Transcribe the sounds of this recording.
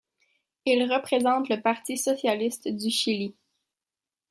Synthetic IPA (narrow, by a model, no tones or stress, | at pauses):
ilʁəpχezɑ̃t̪ləpaʁt̪isɔsjalist̪d̪yʃili